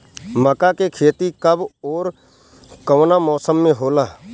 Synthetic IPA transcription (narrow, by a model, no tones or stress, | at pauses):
məkakekʰeːt̪ikəbɔːɾ | kəːnamɔːsəmːẽɦoːlaː